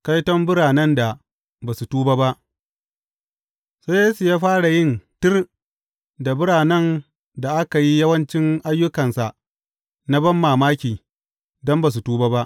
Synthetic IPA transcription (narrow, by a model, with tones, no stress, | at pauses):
ka˦jtɔ˦mbʊ˦ɽaː˨nɐ˦nda˨ | baː˨su˨tuː˦baː˦ba˦ʔ | sa˦jeː˦su˨jaː˦ɸaː˦ɽa˨jɪ˦ntɪ˦r | da˨bʊ˦ɽaː˨nɐ˦n | da˨ʔa˦ka˨ji˦jɐ˦wɐ˦nt͡ʃɪ˦ŋʔa˦jːʊ˦kɐ˨nsa˨ʔ | na˦bɐ˦mːaː˨maː˦kʲiː˨ | dɔ˦mba˨s̬u˨tuː˦baː˦ba˦ʔ